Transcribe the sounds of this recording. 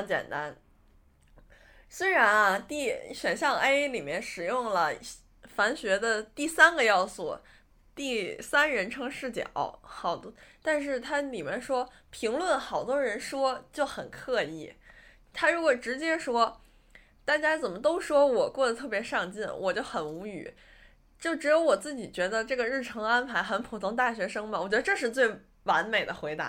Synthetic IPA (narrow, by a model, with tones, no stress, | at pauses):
t͡ɕjɛ̰˨˩nt̪a˥n | swe˥ɪɻa˧˥nɐ˧t̪i˥˩ɕɥɛ˨˩nɕjɑ˥˧ŋe˥ɪli˨˩mjɛ˥˩nʂɻ̩˨˩jʊ˥˩ŋlə˩ | fa˧˥nɕɥɛ˧˥d̪ə˧t̪i˥˩sa˥nɡə˨jɑ˥˧ʊswɔ̰˥˩ | t̪i˥˩sa˥nɻə˧˥nʈ͡ʂʰɤ˥ŋʂɻ̩˥˩t͡ɕjɛ̰˨˩n̰˥˩ʊxɑ˨˩ʊt̪t̪a˥˧nʂ̬ɻ̩˥˩t̪ʰa˥li˨˩mjɛ˥˧nʂwɔ˥ | pʰi˧˥ŋlwə˥˩nxɑ˨˩ʊt̪wɔ˥ɻə˧˥nʂwɔ˥t͡ɕjo˥˩ʊxə˨˩nkʰɤ˥˧ḭ˥˩ | t̪ʰa˥ɻu˧˥kwɔ˨˩ʈ͡ʂɻ̩˧˥t͡ɕjɛ˥ʂwɔ˥ | t̪a˥˩t͡ɕja˥t͡sə˨˩nmə˦t̪o˥ʊʂwɔ˥wɔ˨˩kwɔ˥˩d̪ə˩t̪ʰɤ˥˩pjɛ˧˥ʂɑ˥˧ŋt͡ɕi˥˩nwɔ˨˩t͡ɕjo˥˩ʊxə˨˩nu˧˥y̰˨˩˦ | t͡ɕjo˥˩ʊʈ͡ʂɻ̩˧˥jo˧˥ʊwɔ˨˩t͡sɹ̩˥˩t͡ɕi˨˩t͡ɕɥɛ˧˥d̪ə˧ʈ͡ʂɤ˥˩ɡə˩ɻɻ̩˥˩ʈ͡ʂʰɤ˧˥ŋa˥npʰa˧˥ɪxə˧˥npʰu˨˩t̪ʰʊ˧˥ŋt̪a˥˩ɕɥɛ˧˥ʂɤ˥ŋmɐ˨wɔ˨˩t͡ɕɥɛ˧˥d̪ə˧ʈ͡ʂɤ˥˧ʂɻ̩˥˧t͡swe˥˩ɪ | wa˧˥nme˨˩ɪd̪ə˦xwe˧˥ɪt̪a̰˧˥